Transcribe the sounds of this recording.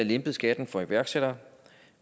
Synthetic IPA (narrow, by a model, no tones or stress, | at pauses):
æle̝mb̥ð̩ˠsɡ̥ɛd̥n̩fɒ̽iʋæɐɡ̥seɾ̥ɐ